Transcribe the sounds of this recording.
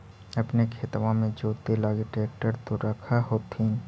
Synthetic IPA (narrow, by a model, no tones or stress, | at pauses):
ɐpnekʰeːt̪ʋãmẽd͡ʒoːt̪elaːɡeʈɾeːk̚ʈəɾt̪oɾəkʰaɦoːt̪ĩː